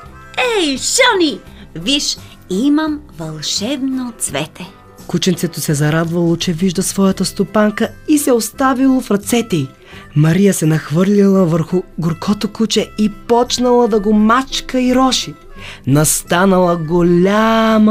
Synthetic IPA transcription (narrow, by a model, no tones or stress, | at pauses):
ɛjʃəniviʃ | imɐmvɐlˠʃɛvnot̪svɛt̪ʰɛ | kut͡ʃɛnt̪sɛt̪osɛzɐɾad̪vɐlˠot͡ʃɛviʒd̪ɐsvɔjət̪əst̪opaŋkəisɛost̪avilˠofɾɐt̪sɛt̪ɛi | mɐɾijəsɛnɐxvɤɾlʲilˠəvəɾxʊɡoɾkʰɔt̪okut͡ʃɛipɔt͡ʃnɐlˠəd̪ɐɡomat͡ʃkəiɾɔʃi | nɐst̪anɐlˠəɡolʲam